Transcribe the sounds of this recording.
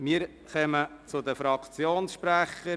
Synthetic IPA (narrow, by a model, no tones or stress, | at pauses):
miːəɾ | χœmət͡sʊd̪əfɾɑkt͡sjoːnsʃpɾæχə